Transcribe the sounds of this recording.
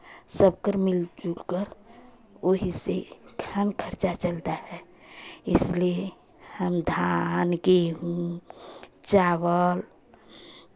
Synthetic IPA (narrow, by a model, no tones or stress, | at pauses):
səbkəɾmɪld͡ʒulkəɾ | oɦisekʰaːnkʰəɾt͡ʃat͡ʃəlt̪aɦɛː | ɪslie | həmd̪ʱankeɦũ | t͡ʃawəl